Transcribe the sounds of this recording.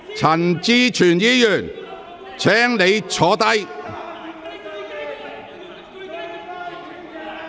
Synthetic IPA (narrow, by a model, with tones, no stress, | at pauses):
t͡sʰɐ˨˩nt͡siː˧t͡ʃʰyː˨˩njiː˥jyː˨˩n | t͡sʰɛː˨˥ŋne˨˧jt͡sʰɔː˨˥t̪ɐ˥j